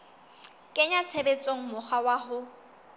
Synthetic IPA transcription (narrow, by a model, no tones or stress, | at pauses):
kʼɪɲat͡sʰebet͡sʼoŋ̩mʊχawaɦʊ